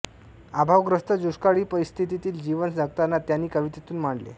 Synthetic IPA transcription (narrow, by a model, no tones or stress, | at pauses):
abʱaʋɡɾəst̪ʰəd͡ʑuʂkaɭiːpəɾist̪ʰit̪it̪iːld͡ʑiʋənd͡zaɡ̚t̪anːat̪janːiːkəʋit̪et̪uːnm̤aɳlḛ